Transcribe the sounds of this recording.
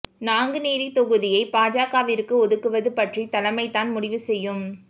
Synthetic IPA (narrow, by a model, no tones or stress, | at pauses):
naːŋɡɯniːɾit̪ɔɣɯðɪjɐɪpaːd͡ʒaːkaːʋɪɾɯkːɯɔðɯkːɯʋɐðɯpɐʈrit̪ɐlɐmɐɪt̪ːaːnmʊɽɪʋɯsɛjːɯm